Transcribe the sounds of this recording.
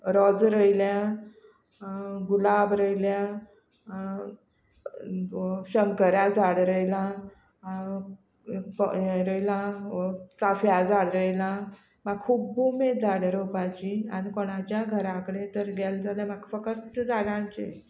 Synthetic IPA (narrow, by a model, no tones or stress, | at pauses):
ɾɔd͡zɾəjlja | ɡulabɾəjlja | ɕəŋkəɾjad͡zaɽɾəjlã | kɾəjlã | t͡safjad͡zaɽɾəjlã | maɡkʰubːumed͡zaɽɾəpat͡ɕianikɔɽ̃at͡ɕjaɡʱəɾãkəɽẽt̪əɾɡɛld͡zaljamaɡfəkət̪d͡zaɽãɲt͡ɕḛ